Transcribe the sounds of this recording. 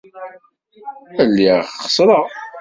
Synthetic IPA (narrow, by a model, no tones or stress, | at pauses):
əlːiχə̥sˤɾˤɑ